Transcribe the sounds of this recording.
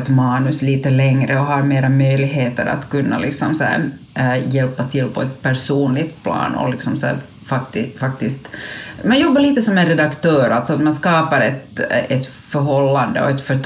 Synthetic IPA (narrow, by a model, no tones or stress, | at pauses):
t̪mɑːnʉsliːt̪əlɛŋɾəɔɦɑɾmeːɾamœjlɪɡɦeːt̪ə̰ɾa̰t̪kʉnːʔa̰lɪksɔmsæ̰ɾ | jɛlpːat̪ʰɪlːpʰɔɛt̪pʰæɾʂuːnlɪɡt̪pʰlɑ̰ːnɔ̰lɪksɔmsæ̰ːɾ | fak̚t̪ɪfak̚t̪ɪst̪mɛnjɔbːaɭiːt̪əsɔmːɛnɾɛd̪akt̪ʰøːɾalt̪sɔat̪manskɑːpaɾɛt̪ɛt̪ | fœɾɦɔlːand̪ə̰ɔ̰ɛt̪fœʈ